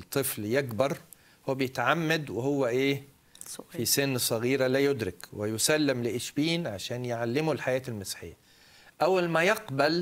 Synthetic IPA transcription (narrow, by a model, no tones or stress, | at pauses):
t̪ˤːɨfljekbɑɾˤ | howːæbɪjɪt̪ʕamːad̪wɪhʊwːæʔeː | fisɪnːsˤɑɣiːɾalæːjʊd̪ɾɪkwɪjʊsælːɪmlɪʔɪʃbiːnʕaʃæːnjɪʕalːɪmʊlħajæːt̪ɪlmɪsħɪjːa | ʔæwːælmæjɑqbæl